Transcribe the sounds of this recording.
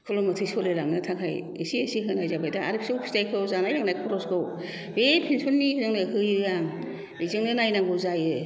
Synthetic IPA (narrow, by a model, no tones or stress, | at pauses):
kʰɯlɔmɯtʰɯjsɔlɯlaŋnɯtʰakʰaj | esiesiɦɯnajzabajdaa̰ɾɯp̚sɯwkʰu̥stajkʰɯwzanajlaŋnajkʰɔɾɔskʰɯw | bepʰensʰɔnːizɯŋnɯhɯjɯjaŋ | izɯŋnɯnajnaŋɡɯzajɯ